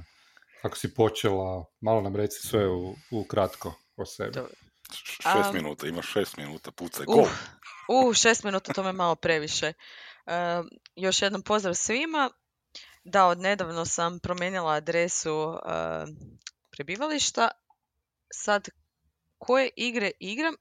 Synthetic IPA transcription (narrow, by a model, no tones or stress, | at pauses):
ako̥sipo̞t͡ʃelamalˠonamɾet̪si̥sʋeuːkɾat̪ko | osḛb | ʃeːsminṵːt̪aimaʃeːst̪minuːt̪aput̪sau | uhʃest̪minuːt̪at̪omemalˠo̞pɾe̞ʋiʃeəjo̞ʃje̞d̪nompo̞zd̪ɾaʋsʋima | d̪aod̪ne̞d̪aʋno̞sampɾomjeːnilˠaːd̪ɾesuə̰ | pɾebiːʋaliʃt̪a | sad̪ | kʰo̞jeʔiɡɾeʔiɡɾam